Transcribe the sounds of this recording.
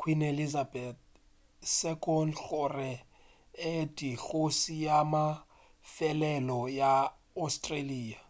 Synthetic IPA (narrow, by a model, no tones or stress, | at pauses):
kʰwinelizabɛt̪̚ | sɛkʼɔnɬʊrɛ | edʼiɬosijama | fɛlɛlɔja | astʼreliːa